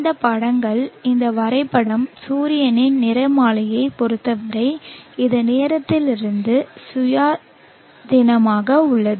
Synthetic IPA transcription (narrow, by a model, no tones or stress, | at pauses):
nd̪ɐpɐɽɐŋɡɐɭɪnd̪ɐʋɐɾɐɪpːɐɽɐmsuːɾɪjɐnɪnnɪɾɐɪmaːlɐjɐɪpɔɾɯt̪ːɐʋɐɾɐɪɪðɐneːɾɐt̪ːɪlɪɾɯnd̪ɯsʊjaː | d̪ɪnɐmaːɣɐʊɭːɐðɯ